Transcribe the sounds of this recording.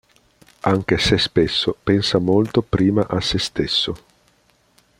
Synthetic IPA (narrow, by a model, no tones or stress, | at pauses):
aŋk̟esespesːopɛnsamolt̪opɾiːmaʔasːest̪esːo